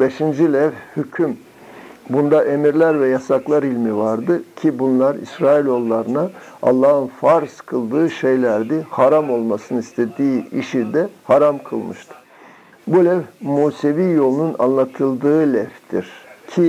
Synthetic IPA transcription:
be̞ʃind͡ʒilʲɛvhycʰym | bund̪aʔe̞miɾlʲæɾvɛjasaklˠaɾilʲmivaɾd̪ɯcʰibunlˠaɾḭsɾaːilʲo̞lˠːaɾɯnaa̰lˠːaːhɯnfaɾskʰɯlˠd̪ɯːʃe̞jlʲæɾd̪ɛhaɾamo̞lˠmasɯnɯist̪ʰe̞d̪iːiʃid̪ɛhaɾamkʰɯ̰lˠmɯʃt̪ʰɯ̥ | bulʲɛvmuːse̞viːjo̞lˠununa̰nlˠat̪ʰɯlˠd̪ɯːlʲɛft̪ʰiɾ̥cʰi

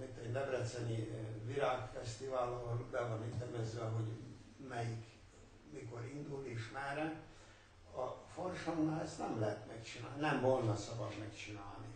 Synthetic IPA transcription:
mit̪ɛɟnɛbrɛt̪sɛnivilaːkfɛst̪ivaːlɒlbɛvɒnit̪ːɛmɛzːɛɦo̞ɟ | mɛjik | miko̞ɾind̪uleːʃmɛɾɛ | ɒforʃoŋnɑɛst̪nɛmlɛɦɛt̪mɛkt͡ʃinaːnɛmvolnɒsɒbɒd̪mɛkt͡ʃina̰ːlni

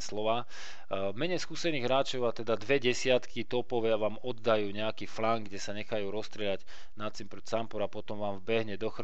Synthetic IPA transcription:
slɔʋaː | mɛɲɛjskuːsɛniːɣɦɾaːt͡ʃɔʊat̪ɛd̪ad̪ʋɛɟɛsɪat̪kʰit̪ɔpɔʋaʋaːmɔd̪ːajuːɲɛakiːflaŋɡɡɟɛsaɲɛxajuːɾɔst̪ɾɪɛlaɟ | nat͡simpɾɔt͡sampɔɾapɔt̪ɔmʋaːmvbɛɦɲɛd̪ɔxɾ

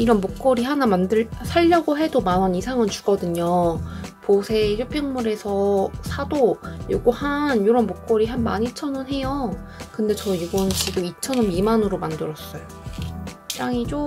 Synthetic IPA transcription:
iɾʌnmok͈̚ʌɾihanamandɯɭsʰaʎːʌɡoɦe̞domanʌnisʰaŋɯnt͡ɕu̥ɡ̥ʌdɯɲoposʰe̞jop͈ʰiŋmuɾe̞sʰʌsʰadojoɡuhanjoɾʌnmok͈̚ʌɾiɦanmaɲit͡ɕʰʌnɯnɦe̞jo | kɯnde̞t͡ɕʌiɡʌnt͡ɕʰidoit͡ɕʰʌnʌmimanɯɾomandɯɾʌs͈ʌjo | t͈aŋit͡ɕo

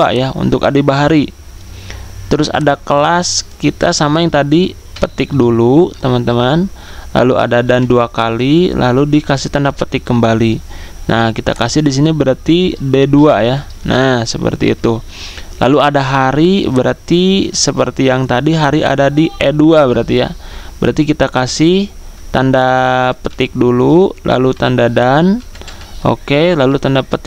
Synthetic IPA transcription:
a̰jaṵnt̪ʊka̰dibaɦaɾi | t̪əɾʊsa̰dakəlaskit̪a̰samajaŋt̪adi | pət̪ɪk̚dulut̪əmant̪əmanla̰lua̰dadanduakalilʔa̰ludikasɪht̪andapət̪ɪkːəmbalinʔahkit̪a̰kasɪhdis̬inibəɾart̪ideduaja | nahsəpə̰rt̪ḭːt̪u | la̰luadaɦaɾibəɾart̪isəpərt̪ijaŋt̪adiɦaɾiʔa̰dadiʔɛduabəɾart̪ija̰bəɾʔart̪ikit̪akasɪht̪andapə̥t̪ɪk̚dululʔa̰lut̪andadan | ʔo̰kelalut̪andapət̪ɪ

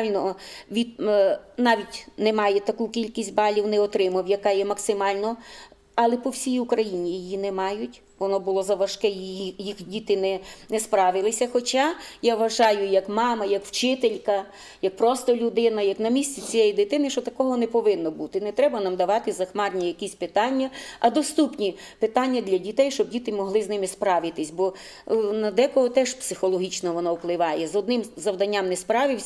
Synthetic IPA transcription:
lʲnɔʋʲid̪nɑʋʲitʲnɛmɑjɛt̪ɐkukʲilʲkʲisʲtʲbɑlʲiwnɛɔt̪ɾɪmɐwjɐkɑjɛmɐksɪmɑlʲnɔ | ɐlˠɛpɔwsʲijʊkɾɐjinʲijijinɛmɑjʊtʲ | ʋɔnɔbʊlˠɔzɐʋɐʃkɛjijixdʲit̪ɪnɛnɛspɾɑʋɪlˠɪsʲɐxɔt͡ʃajaʋɐʒɑjʊjɐkmɑmɐjɐkw̥t͡ʃɪt̪elʲkɐ | jɐk̚pɾɔst̪ɔlʲʊd̪ɪnɐjɐknɐmʲisʲt͡sʲit͡sʲijɛjid̪ɪt̪ɪnɪʃt͡ʃɔt̪ɐkɔɦɔnɛpɔʋɪnːɔbut̪ɪnɛt̪ɾɛbɐnɑmd̪ɐʋɑt̪ɪzɐxmɑrnʲijɐkʲisʲpɪt̪ɑnʲːɐɐd̪ɔst̪upnʲi | pɪt̪ɑnʲːɐd̪lʲɐdʲit̪ɛjʃt͡ʃɔb̚dʲit̪ɪmɔɦlˠɪznɪmɪspɾɑʋɪt̪ɪsʲbɔ | nɐd̪ɛkɔɦɔt̪ɛʃpsɪxɔlˠɔɦʲit͡ʃnɔʋɔnɔuplˠɪʋɑjɛzɔd̪nɪmzɐwd̪ɐnʲːamnɛspɾɑʋɪwsʲ

